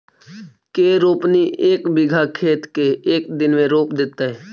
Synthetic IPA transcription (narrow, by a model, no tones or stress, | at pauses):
keːɾoːpniʔeːkbɪɡʱakʰeːt̪keeːkd̪ɪnmẽɾoːpd̪ɪt̪aɦɛː